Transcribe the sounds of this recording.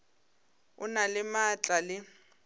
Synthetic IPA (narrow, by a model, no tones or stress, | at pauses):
ʊnalɪmat͡ɬʼalɪ